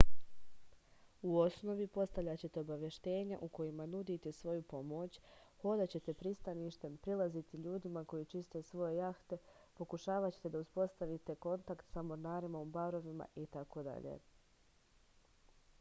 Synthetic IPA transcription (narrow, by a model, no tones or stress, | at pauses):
uo̞sno̞ʋipo̞st̪aʋʎʲat͡ɕe̞t̪e̞o̞baʋje̞ʃt̪e̞ːɲaʔuko̞jimanud̪it̪e̞sʋo̞jupo̞mo̞t͡ɕho̞d̪at͡ɕe̞t̪e̞pɾist̪aniʃt̪e̞mpɾilˠazit̪iʎuːd̪imako̞jit͡ʃist̪e̞sʋo̞je̞jaxt̪e̞po̞kuʃaːʋat͡ɕet̪e̞d̪auspo̞st̪aʋit̪e̞ko̞nt̪akt̪samoɾnaːɾimaubaɾo̞ʋima̰ʔit̪ako̞d̪a̰ʎḛː